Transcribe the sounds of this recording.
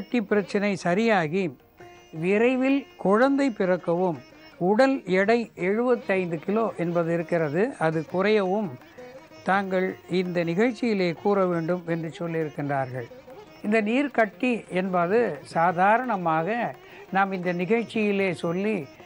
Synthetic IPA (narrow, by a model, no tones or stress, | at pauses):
ɐʈːipːɪɾɐt͡ʃːɐnɐɪsɐɾɪjaːɣi | ʋɪɾɐɪʋɪlkʊɻɐnd̪ɐɪpːɪrɐkːɐʋɯm | ʊɽɐlɛɽɐɪɛɻɯbɐt̪ːɐɪnd̪ɯkɪloːʔɛnbɐðɯɪɾɯkːɪrɐðɯɐðɯkʊrɐjɐʋɯm | t̪aːŋɡɐɭɪnd̪ɐnɪɣɐɻt͡ʃːɪjɪleːkuːɾɐʋeːɳɖɯmɛndrɯt͡ʃɔlːɪɾɯkːɪndraːɾɣɐɭ | ɪnd̪ɐniːɾkɐʈːiɛnbɐðɯsaːðaːɾɐɳɐmaːɣɐ | naːmɪnd̪ɐnɪɣɐɻt͡ʃːɪjɪleːsɔlːi